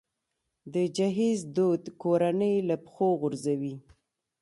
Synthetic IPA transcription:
d̪əd͡ʒaɦizd̪od̪koɾanəjlapxoɣʊɾzawi

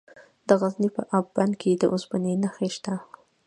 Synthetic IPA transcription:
d̪əɣaznipəʔabbankʰed̪əʔʊsbanenəxeʃt̪a

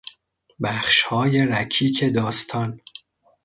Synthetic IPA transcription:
bæχʃhɒːje̞ɾæcʰiːcʰe̞d̪ɒːst̪ʰɒːn

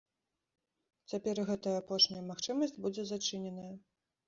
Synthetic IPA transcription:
t͡sʲapʲɛrɣɛt̪ɐjɐːpɔʂnʲɐjɐmaxt͡ʂɨmɐsʲd͡zʲbud͡zʲɛzat͡ʂɨnʲɛnɐjɐ

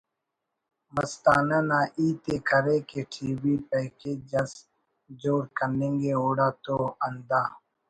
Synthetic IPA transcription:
məst̪aːnanaːʔiːt̪ekʰəɾekeʈʰiːbiːpɛːkeːd͡ʒɐs | d͡ʒoːɾkənẽŋɡeoːɽaːt̪oːɐnd̪aː

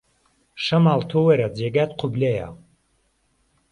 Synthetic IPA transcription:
ʃɐmalt̪ʰowɛɾad͡zeɡat̪̚qʰubleja̰w

